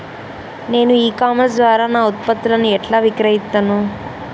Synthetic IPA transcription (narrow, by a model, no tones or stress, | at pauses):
ne̞ːnuiːkaːmens̬d̪ʋaːɾaːnaːut̪̚pɐt̪ːulɐnuɛʈlaːʋikɾɐɦist̪ːaːnu